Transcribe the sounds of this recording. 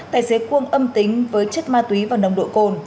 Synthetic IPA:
t̪a̰ː˧˩˨jse˨˦kwi˧ənʔə˧mt̪ï˨˦ŋ̟vəː˨˦jt͡ɕə˦˥t̚maː˧t̪wi˨˦vaː˨˩nə˧˩wŋ͡mɗo̰˧˨jko˧n

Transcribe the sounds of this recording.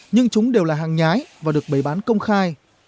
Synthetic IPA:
ɲɨ˧ŋt͡ɕʊ˨˦ŋ͡mɗe˨˩wlaː˨˩ɦaː˨˩ŋɲaː˨˦jvaː˨˩ɗɨ˨˩ək̚ɓə˧˩jɓaː˨˦nkə˧wŋ͡mxaː˧j

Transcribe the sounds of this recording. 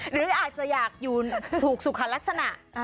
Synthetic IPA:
ɾɯː˨˩˦ʔaː˨˩t̪̚t͡ɕa˨˩ʔjaː˨˩k̚juː˨˩t̪ʰuː˨˩k̚su˨˩kʰa˧˦˩la˦˥k̚sa˧na˨˩ʔ

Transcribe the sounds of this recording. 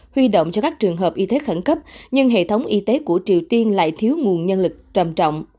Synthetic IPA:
hwi˧ɗo̰˧˨wŋ͡mt͡ɕɔ˧kaː˦˥k̚t͡ɕɨ˨˩əŋɦəː˨˩p̚ʔi˧t̪e˨˦xə˧˩nkə˦˥p̚ɲɨ˧ŋɦḛ˧˨t̪ʰə˨˦wŋ͡mʔi˧t̪e˨˦ku˧˩ət͡ɕi˨˩əwt̪i˧ənla̰ː˧˨jt̪ʰi˨˦əwŋu˨˩ənɲə˧nlɨ˨˩k̚t͡ɕə˨˩mt͡ɕɔ̰˧˨wŋ͡m

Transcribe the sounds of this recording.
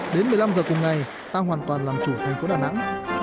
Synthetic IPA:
ɗe˨˦nmɨ˨˩jla˧mzəː˨˩kʊ˨˩ŋ͡mŋa˨˩j | t̪aː˧ɦwaː˨˩nt̪waː˨˩nlaː˨˩mt͡ɕu˧˩t̪ʰɛ˨˩jŋ̟fo˨˦ɗaː˨˩na̰˧˥ŋ

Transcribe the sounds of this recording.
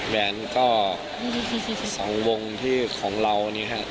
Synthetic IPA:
wɛː˧nkɔː˥˩˥ | i˥˩i˧˩i˥˧˩sɔː˩˦ŋwo˧ŋt̪ʰiː˥˩kʰɔː˩˦ŋɾa˧wniː˦˥˩kʰa˦˥ʔ

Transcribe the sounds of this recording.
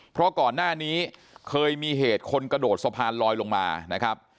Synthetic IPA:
pʰɾɔ˦˥kɔː˨˩nːaː˥˩niː˦˥ | kʰɤː˧jmiː˧ɦeː˨˩t̪̚kʰo˧nkɾa˧doː˨˩t̪̚sa˧pʰaː˧nlɔː˧jlo˧ŋma̰ː˧na˦˥kʰɾa˦˥p̚

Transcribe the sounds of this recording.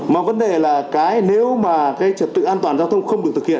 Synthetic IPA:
mɔ̰˨˩və˨˦nɗe˨˩laː˨˩kaː˨˦jne˨˦wmaː˨˩kaː˨˦jt͡ɕə˨˩p̚t̪ɨ̰˧˨ʔaː˧nt̪waː˨˩nzaː˧wt̪ʰə˧wŋ͡mxə˧wŋ͡mɗɨ˨˩ət̪ʰɨ˨˩hḭ˧˨ən

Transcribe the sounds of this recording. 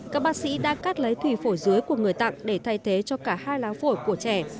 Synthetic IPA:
kaː˦˥k̚ɓaː˦˥k̚sḭ˧˥ɗa̰ː˧˥kaː˦˥t̚lə˨˦jt̪ʰwi˧˩fo˧˩jzɨ˨˦jku˧˩əŋɨ˨˩əjt̪a̰˧˨ŋɗe˧˩t̪ʰa˧˩jt̪ʰe˨˦t͡ɕɔ˧kaː˧˩haː˧jlaː˨˦wfo˧˩jku˧˩ət͡ɕɛ˧˩

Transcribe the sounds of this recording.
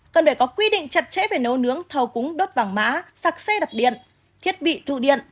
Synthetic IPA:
kə˨˩nfaː˧˩jkɔ˨˦kwi˧ɗḭ̈˧˨ŋ̟t͡ɕə˨˩t̚t͡ɕɛ̰˧˥ve˨˩no˨˦wnɨ˨˦əŋt̪ʰə˨˩wkʊ˨˦ŋɗo˦˥t̚vaː˨˩ŋma̰ː˨˦saː˨˩k̚sɛ˧ɗa˨˩k͡p̚ɗḭ˧˨ə˨n | t̪ʰi˦˥ət̚ɓḭ˧˨t̪ṵ˧˨ɗḭ˧˨ənʔ

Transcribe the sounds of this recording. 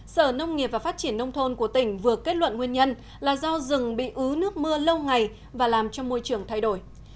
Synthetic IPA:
səː˧˩nə˧wŋ͡mŋi˨˩p̚vaː˨˩faː˦˥t̚t͡ɕi˧˩ənːə˧wŋ͡mt̪ʰo˧nku˧˩ət̪ï˧˩ŋ̟vɨ˨˩əkːe˦˥t̚wə̰˧˨nŋwi˧ənɲə˧n | laː˨˩zɔ˧wzɨ˨˩ŋɓḭ˧˨ʔɨ˨˦nɨ˦˥ək̚mɨ˧ələ˧wŋa˨˩j | vaː˨˩laː˨˩mt͡ɕɔ˧ŋ͡mmo˧jt͡ɕɨ˨˩əŋt̪ʰa˧jɗo˧˩j

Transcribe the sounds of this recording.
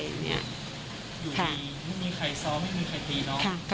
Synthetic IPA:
ŋni˦˥ɐ | juː˨˩kʰa˥˩i˧ma˥˩jmiː˧kʰa˧˩jsɔː˧˥ma˥˩jmiː˧kʰa˨˩jt̪iː˧nɔː˦˥kʰa˥˩k

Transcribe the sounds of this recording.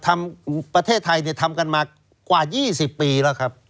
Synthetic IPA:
t̪ʰa˧mpɾa˧t̪ʰeː˥˩t̪ʰːa˧jni˥˩t̪ʰa˧mka˧nmaː˧ | kwaː˨˩jiː˥˩si˨˩pːiː˧lɛː˦˥˩wkʰa˦˥p̚

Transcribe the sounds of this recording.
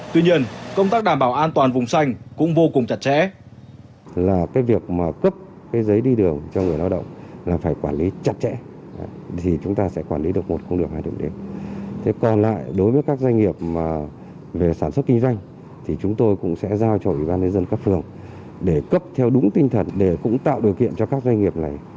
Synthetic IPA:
t̪wi˧ɲi˧ənkə˧wŋ͡mt̪aː˦˥k̚ɗaː˧˩mɓaː˧˩wʔaː˧nt̪waː˨˩nvʊ˨˩ŋ͡msa˧jŋ̟kʊ̰˧˥ŋ͡mvo˧kʊ˨˩ŋ͡mt͡ɕa˨˩t̚t͡ɕɛ̰˧˥ | laː˨˩kaː˨˦jvi˨˩ək̚maː˨˩kə˦˥p̚ | kaː˨˦jzə˨˦jɗi˧ɗɨ˨˩əŋt͡ɕɔ˧ŋɨ˨˩əjlaː˧wɗə̰˧˨wŋ͡mlaː˨˩faː˧˩jkwaː˧˩nli˨˦t͡ɕa˨˩t̚t͡ɕɛ̰˧˥ | t̪ʰi˨˩t͡ɕʊ˨˦ŋ͡mt̪aː˧sɛ̰˧˥kwaː˧˩nli˨˦ɗɨ˨˩ək̚mo˨˩t̚kʊ̰˧ŋ͡mɗɨ˨˩əkhaː˧jɗə̰˧˨ŋɗe˨˦t̪ʰe˨˦kɔ˨˩nla̰ː˧˨jɗo˨˦jvəː˨˦jkaː˦˥k̚za˧jŋ̟ŋi˨˩əp̚maː˨˩ | ve˨˩saː˧˩nswə˦˥t̚kï˧ŋzwa˧jŋ̟ | t̪ʰi˨˩t͡ɕʊ˨˦ŋ͡mt̪o˧jkʊ̰˧˥ŋ͡msɛ̰˧˥zaː˧wt͡ɕɔ˧ʔwi˧˩ɓaː˧nɲɨ˧nzə˧nkaː˦˥k̚fɨ˨˩əŋ | ɗe˧˩kə˦˥p̚t̪ʰɛ˧wɗʊ˨˦ŋ͡mt̪ï˧ŋ̟t̪ʰə˨˩nɗe˧˩kʊ̰˧˥ŋ͡mt̪a̰ː˧˨wɗi˨˩əwkḭ˧˨ənt͡ɕɔ˧kaː˦˥k̚za˧jŋ̟ŋi˨˩əp̚na˨˩j

